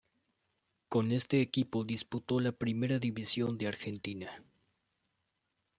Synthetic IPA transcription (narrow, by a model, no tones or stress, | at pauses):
ko̞ne̞st̪e̞ːkipo̞ðisput̪o̞lapɾime̞ɾaðiβisjo̞nd̪eaɾxe̞nt̪ina